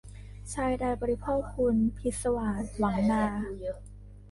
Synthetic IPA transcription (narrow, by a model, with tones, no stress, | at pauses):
t͡ɕʰaː˧jdaː˧jbɔː˧ɾi˧pʰoː˥˩k̚ʰːu˧npʰi˦˥t̪̚sa˧wa˨˩t̪̚la˩˦ŋnaː˧